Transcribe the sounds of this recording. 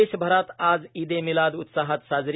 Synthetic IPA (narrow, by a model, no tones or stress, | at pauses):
eʃbʱəɾat̪aːd͡zid̪emilad̪ut̪saɦət̪sazɾ